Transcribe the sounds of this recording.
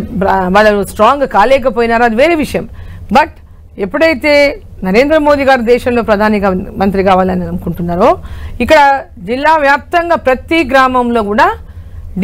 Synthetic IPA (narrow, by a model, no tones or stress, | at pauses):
ʋaːɭːɐlusʈɾaːŋɡkaːlɛːk̬ɐpoːjinaːɾuɐd̪iʋeːɾeːʋiʂɐjɐmbɐʈ | epːuɽɐjit̪eː | nɐɾeːnd̪ɾɐmo̞ːd̪iɡaːɾud̪ɛːʃɐmlo̞ːpɾɐd̪ʱaːniɡɐmɐnt̪̬ɾikaːʋaːlɐniɐɐnukuɳʈunːaːɾoːikːɐɽɐ | d͡ʒilːaːʋjaːp̚t̪ɐŋɡaːpɾɐt̪iɡɾaːmɐmlo̞ːɡuːɽaː | ɖ